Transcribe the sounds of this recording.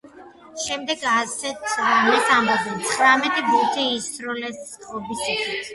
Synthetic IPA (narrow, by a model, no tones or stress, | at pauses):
ʃɛmd̪ɛɡasɛt̪ʰmɛsambɔbɛnt̪sʰχɾamɛt̪ʼibut̪ʰiːsɾɔlɛsχʼɔbisɛχʰit̪ʰ